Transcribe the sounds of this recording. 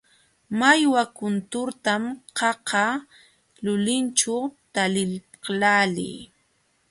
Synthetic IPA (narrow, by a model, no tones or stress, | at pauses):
majwakʊnt̪ʊɾt̪amqɑqɑ | lʊlɪnt͡ʃat̪alɪl | qlalɪ̰j